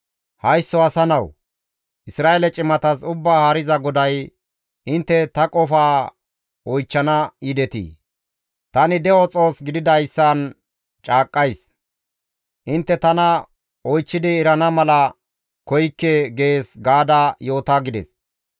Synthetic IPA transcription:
hɐjsːɔɐsɐnɐw | ʔɪsɾaːelɛt͡ʃʼɪmɐt̪ɐsʊbːaːhɐɾɪzɐɡɔd̪ɐj | ʔɪnt̪ːɛt̪ɐkʼɔfaː | ɔjt͡ʃːɐnɐid̪ɛt̪ḭː | t̪ɐnɪd̪ɛɔt͡sʼo̞ːsɡɪd̪ɪd̪ɐjsːaːn | t͡ʃʼaːkʼːɐjs | ʔɪnt̪ːɛt̪ɐnɐ | ɔjt͡ʃːɪd̪ɪːɾɐnɐmɐlɐ | kɔjkːeɡe̞ːsɡaːd̪ajo̞ːt̪aːɡɪd̪ɛ̰s

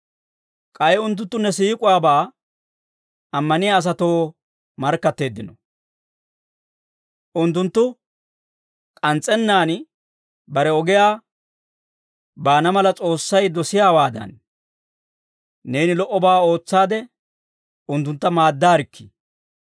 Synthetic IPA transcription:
kʼɐjɛʊnt̪̬ːʊnt̪ːʊnːɛsiːkʼʊwaːbaː | ɐmːɐnɪjaːs̬ɐt̪oː | mɐɾkːɐt̪ːe̞ːd̪ːɪnɔ | ʔʊnt̪ːʊnt̪ːʊ | kʼɐnt͡sʼːɛnːaːn | bɐɾɛɔɡɪjaː | baːnɐmɐlɐt͡sʼo̞ːsːɐjd̪ɔsɪjaːwaːd̪ɐ̰n | e̞ːnɪlɔʔːɔbaːo̞ːt͡sːaːd̪ɛ | ʊnt̪ːʊnt̪ːɐmaːd̪ːaːɾɪkʰːɪ̥

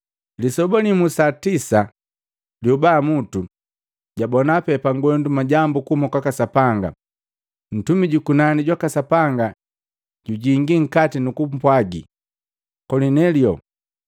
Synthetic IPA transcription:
lisɔbɔnimusatisa | ljubaːmutu | ɟabɔnapɛpaŋɡɔndumaɟambukumɔkwakasapaŋɡa̰ | n̩tumiɟukunaniɟwakasapaŋɡa | ɟ̥uɟiŋɡiŋ̩katinukupwaɡḭ | kɔninɛljɔ

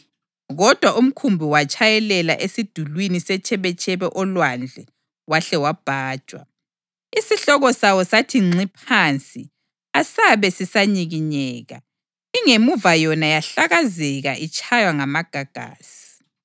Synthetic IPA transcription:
ɣɔd̥ʱwaʔum̩kʰumbʱiwat͡ʃʼʰajɛlɛla̰ʔesid̥ʱulwinisɛt͡ʃʰʼɛβɛt͡ʃʰʼɛβɛʔɔlwand͡ɮʱɛ | waɬɛwab̥ʱaːd̥ʒ̥ʱʼwa̰ | isiɬɔɣɔsawɔsatʰiŋ͡ǀipʰant͡sʼi | asaβɛsisaɲiɣiɲɛːɣa̰ | iŋemuvajɔnajaɬaɣazɛɣaʔit͡ʃʰʼajwaŋamaɡ̥ʱaɡ̥ʱa̰ːsi̥

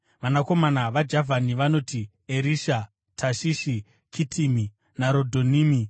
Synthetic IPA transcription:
ʋanako̞manaʋad͡ʒavʱaniʋano̞ti | eɾiʃa | tʰaʃiʃi | kʰitʰimi | naɾo̞dʱo̞niːmi

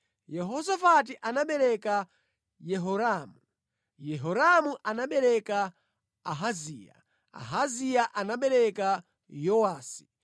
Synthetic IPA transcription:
jɛɦɔsafat̬iʔanaɓɛɾɛka | jɛɦɔɾaːmu | jɛɦɔɾamuʔanaɓɛɾɛkaː | ɦaziːja̰ | a̰ɦazijaʔanaɓɛɾɛka | jɔwaːsi̥

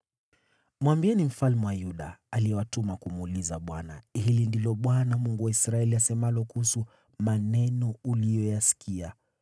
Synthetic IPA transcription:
mwambiɛnim̩falmɛwajuɗaːliɛwatumakumulizaɓwanahilindilɔɓwanamuŋɡuwaisɾaɛliasɛmalɔkuhusu | manɛnɔulijɔjasi̥kʰia

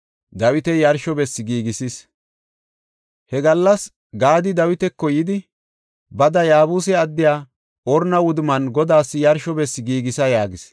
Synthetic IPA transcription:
d̪ɐwɪt̪ɛjɐɾʃɔbɛsːɪɡiːɡɪsis | hɛɡɐlːɐs | ɡaːd̪ɪd̪ɐwɪt̪ɛkːɔjɪd̪ɪ | bɐd̪ɐjaːbuːsɛɐd̪ːɪjaː | ɔɾnɐwʊd̪mɐnɡɔd̪aːsːɪjɐɾʃɔbɛsːɪɡiːɡɪsɐjaːɡɪs

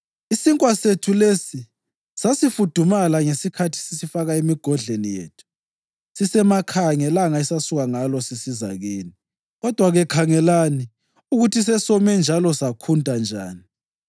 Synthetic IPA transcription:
isiŋkʼwasetʰulesi | sasifud̥ʱumalaŋesikʰatʰi̥sisifaɣaemiɡ̥ʱɔɮenijḛːtʰu̥ | sisɛmakʰaŋɛlaŋaɛsasuɣaŋalɔsisiza̰ɣeːni | ɣɔd̥ʱwaɣɛkʰaŋɛlani | uɣutʰis̬ɛsɔmɛnd͡ʒʱalɔsakʰuntʼand͡ʒʱa̰ːni

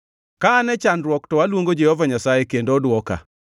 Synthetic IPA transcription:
kaːnɛt͡ʃanɾwɔktɔwalwoŋɡod͡ʒehovaɲasajekendoːdwɔka̰

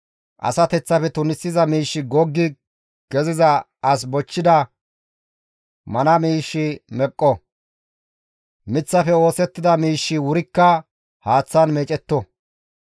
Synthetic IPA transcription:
ʔɐ̰sɐt̪ɛt͡sːɐfɛt̪ʊnɪsːɪzɐmiːʃːɪɡɔɡːɪ | ɡ̥ɛzɪzɐ | ɐs̬bɔt͡ʃːɪd̪ɐ | mɐnɐmiːʃːɪmɛkʼːɔ | mɪt͡sːɐfɛo̞ːsɛt̪ːɪd̪ɐmiːʃːɪwʊɾɪkːɐ | haːt͡sːanmeːt͡ʃʼɛt̪ːɔ

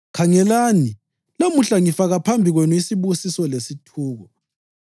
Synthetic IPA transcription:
kʰaŋɛlaːni | lamuɬaŋifaɣapʰambʱiɣwɛnuisiβusisɔlesitʰuːɣɔ

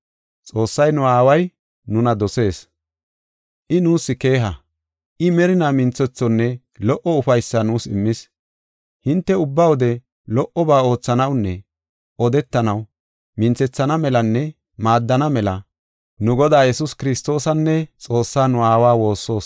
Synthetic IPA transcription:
t͡sʼo̞ːsːɐjnʊaːwɐj | nʊnɐd̪ɔse̞ːs | ʔɪnuːsːɪke̞ːɦɐ | ʔɪmɛɾɪnaːmɪnt͡sːɛt͡sːɔnːɛ | lɔʔɔʊfɐjsːɐnuːsɪmːɪs | hɪnt̪ːɛʊbːawɔd̪ɛ | lɔʔɔbaːo̞ːt͡sːɐnɐwnːɛ | ʔɔd̪ɛt̪ːɐnɐw | mɪnt͡sɛt͡sːɐnɐmɛlɐnːɛ | maːd̪ːɐnɐmɛlɐ | nʊɡɔd̪aːjɛsʊskɪɾɪst̪o̞ːsɐnːɛt͡sʼo̞ːsːaːnʊaːwaːwo̞ːsːo̞ːs

